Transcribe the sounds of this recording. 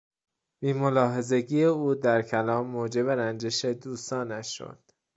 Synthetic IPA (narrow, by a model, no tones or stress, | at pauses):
biːmolɒːɦe̞ze̞ɟiːjeuːd̪æɾcʰælɒːmːoːd͡ʒe̞be̞ɾænd͡ʒeʃe̞d̪uːst̪ɒːnæo̰d̪̥